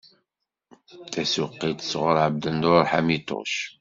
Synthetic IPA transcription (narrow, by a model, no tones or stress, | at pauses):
θæsuqːit̪ə̥sʁəɾˤʕəbd̪ənd̪oɾħamit̪o̰ʃ